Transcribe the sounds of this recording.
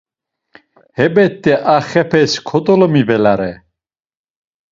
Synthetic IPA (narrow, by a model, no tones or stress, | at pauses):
hɛbɛt̪ʼːɛʔaχɛpʰɛskʰɔt̪ʼɔlɔmivɛlaɾɛ